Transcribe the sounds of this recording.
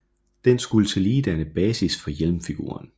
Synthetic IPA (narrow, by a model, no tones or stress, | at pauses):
d̥ensɡ̥ulət͡sʰe̝liːd̥ænəb̥ɛːsisfɒ̽jelmfiɡ̥ṵːɐ̰n